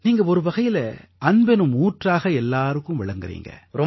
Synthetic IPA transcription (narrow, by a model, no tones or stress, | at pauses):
niːŋɡɐɔɾɯʋɐɣɐjɪlɐ̰ | ɐnbɛnɯmuːʈraːɣɐɛlːaːɾɯkːɯmʋɪɭɐŋɡɯrḭːŋɡɐ̰ɾɔ